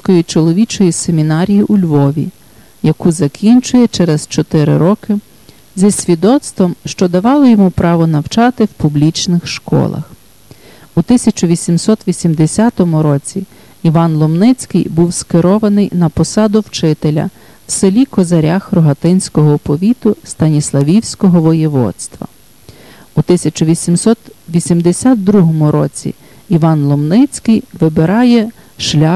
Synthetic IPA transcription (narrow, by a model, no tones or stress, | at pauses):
kɔjit͡ʃɔlˠɔʋʲit͡ʃɔjisemʲinɑɾʲijiʔulʲʋɔʋʲḭ | jɐkuzɐkʲʰinʲt͡ʃʊjɛt͡ʃɛɾɛzt͡ʃɔt̪ɪɾɪ̰ɾɔkɪ | zʲɐsʲʋʲid̪ɔt̪st̪ʋɔmʃt͡ʃɔd̪ɐʋɑlˠɔjɔmupɾɑʋɔnɐwt͡ʃɑt̪ɪwpublʲit͡ʃnɪxʃkɔ̰lˠɐ̰x | ut̪ɪsʲɐt͡ʃʊʋʲisʲimsɔt̪ʋʲisʲimd̪esʲat̪ɔmʊɾɔt͡sʲi | iʋɑnlˠɔmnɪt͡sʲkɪjbuwskɪɾɔʋɐnɪjnɐpɔsɑd̪ʊwt͡ʃɪt̪elʲɐ̰ | w̥selʲikɔzɐɾʲaxrɔɦɐt̪ɪnʲsʲkɔɦɔpɔʋʲit̪ʊst̪ɐnʲislˠɐʋʲiwsʲkɔɦɔʋɔjɛʋɔ̰t̪st̪ʋɐ̰ | ut̪ɪsʲɐt͡ʃʊʋʲisʲimsɔt̪ʋʲisʲimd̪esʲat̪̚d̪ɾuɦɔmʊɾɔt͡sʲḭ | iʋɑnlˠɔmnɪt͡sʲkɪjʋɪbeɾɑjɛ | ʃlʲa